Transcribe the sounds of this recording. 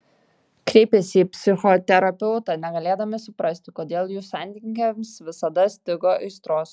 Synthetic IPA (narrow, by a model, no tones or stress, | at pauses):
kɾʲɛɪpʲɛsʲiːpʲsʲɪxɔt̪ʲɛɾɐpʲɛʊt̪ɐnʲɛɡɐlʲeːd̪ɐmʲɛsʊpɾɐsʲt̪ʲɪkoːd̪ʲeːlˠjuːsɐnʲd̪ʲɪŋɡʲɛmsʋʲɪsɐd̪ɐsʲt̪ʲɪɡoʔɪɪst̪ɾoːs